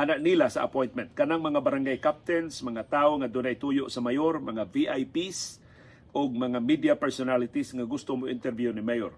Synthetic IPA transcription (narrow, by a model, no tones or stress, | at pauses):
ʔanaʔnilasaʔɐ̰pojnt̪̚mɛnt̪̚kɐnaŋmɐŋabaɾaŋɡajkap̚t̪ɛnsmɐŋat̪aːoŋad̪ʊnaʔɪt̪ujoʔsɐmajoɾmɐŋaviʔajpis | ʔoɡ̚mɐŋamid̪ijapɛɹsonalɪt̪isŋaɡʊst̪omoʔɪ̰nt̪ɛɾvjunimajoɾ